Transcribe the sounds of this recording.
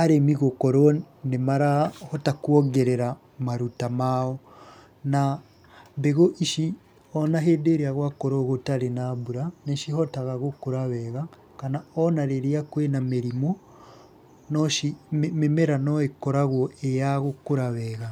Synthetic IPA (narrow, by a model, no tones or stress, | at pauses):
aɾemiɣokɔɾɔ | nemaɾahɔtakuɔɡɛɾɛɾa | maɾutamaɔ | na | mbeɣoʔiʃi | ɔnaɦedeɾeaɣwakɔɾɔɣotaɾenabuɾaneʃiɦɔtaɣaɣokoɾaβɛɣa | kanaɔnaɾeɾiakwenameɾimo | nɔʃimemɛɾanɔekɔɾaɣwɔejaɣokoɾaβɛɣa